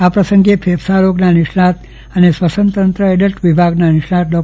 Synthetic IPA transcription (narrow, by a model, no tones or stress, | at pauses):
apɾəsəŋɡepʰepʰsaɾoɡnaniʂnat̪ | ənesʋəsənt̪ənt̪ɾəeɖəʈʋibʱaɡnaniʂɳat̪̚dɔ